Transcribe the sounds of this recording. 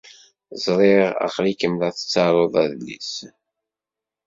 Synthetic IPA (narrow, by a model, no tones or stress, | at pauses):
zˤɾˤeʁɑ̰qɾikəmlæθə̥t͡sːɑɾˤoðˤæðlːḭs